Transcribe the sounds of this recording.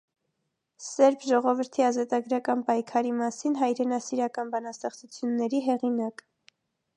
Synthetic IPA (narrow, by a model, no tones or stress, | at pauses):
sɛɾpʰʒɔʁɔvəɾt̪ʰiɑzɑt̪ɑɡɾɑkɑnpɑjkʰɑɾimɑsinɦɑjɾɛnɑsiɾɑkɑnbɑnɑst̪ɛχt͡sut͡sʰjunːɛɾiɦɛʁinɑk